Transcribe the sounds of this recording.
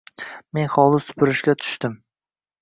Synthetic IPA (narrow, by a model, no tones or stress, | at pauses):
me̞nχɒlˠɪsʊ̥pʰʊɾɪʃɡʲat̪ʰʊ̥ʃt̪ɪm